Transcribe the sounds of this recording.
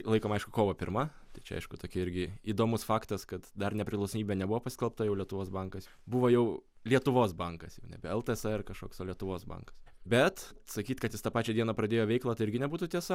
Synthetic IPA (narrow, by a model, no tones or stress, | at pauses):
lˠɐɪkoːmɐɪʃkʊkoːʋoːpʲɪɾmɐ | t̪ɐɪt͡ʃʲɛ̰ɐ̰ɪʃkʊt̪oːkʲɪɪɾʲɡʲɪiːd̪oːmʊsfɑːkt̪ɐskɐt̪d̪ɐrnʲɛpʲɾʲɪklˠɐʊsɐmʲiːbʲeɛnʲɛbuʋoːpɐsʲkɛlˠp̚t̪ojɛʊlʲiɛt̪ʊʋoːsbɐŋkɐs | buʋoːjɛʊ | lʲiɛt̪ʊʋoːsbɐŋkɐsjɛʊnʲɛ̰bʲɛɛlˠt̪əɛsɐɪrkɐʃkoːksoːlʲiɛt̪ʊʋoːsbɐ̰ŋkɐ̥sbʲɛt̪sɐkʲiːt̪kɐt̪jɪst̪ɑpɑːt͡ʃʲɛːd̪ʲiɛnɐpɾɐd̪ʲeːjoːʋʲɛɪklˠɐt̪ɐɪɪɾɡʲɪnʲɛbuːt̪ʊt̪ʲiɛsɐ